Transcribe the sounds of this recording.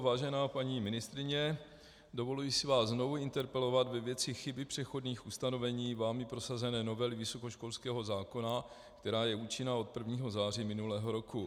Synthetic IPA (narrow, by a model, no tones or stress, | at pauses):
vaːʒɛnaːpaɲimɪnɪst̪ɾɪɲɛ | do̞vo̞lujɪsɪvaːszno̞vuɪnt̪ɛɾpɛlo̞vad̪vɛvjɛt͡sɪxɪbɪpr̝̥ɛxo̞dɲiːxʔust̪ano̞vɛɲiːvaːmɪpɾo̞sazɛnɛːno̞vɛlɪvɪso̞ko̞ʃko̞lskɛːɦo̞zaːko̞na | kt̪ɛɾaːjɛuːt͡ʃɪnao̞t̪̚pr̩vɲiːɦo̞zaːr̝iːmɪnulɛːɦo̞ɾo̞ku